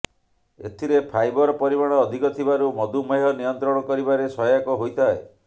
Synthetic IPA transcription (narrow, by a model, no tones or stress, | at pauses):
ḛt̪ʰiɾepʰajbɔɾɔpɔɾimaɽ̃ɔːd̪ʱikɔt̪ʰibaɾumɔd̪umeɦɔnijɔnt̪ɾɔɽ̃ɔkɔɾibaɾesɔjakɔɦojt̪ʰae